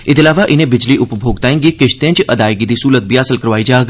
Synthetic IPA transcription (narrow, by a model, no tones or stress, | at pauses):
ɪd̪ɪlaːʋaʔɪnẽbɪd͡ʒliʔʊpbʱoːɡ̚t̪aːẽŋɡikɪʃt̪ẽːt͡ʃʔɐd̪aːjɡid̪isuːlət̪̚bijaːsəlkəɾʋaːid͡ʒaːɡ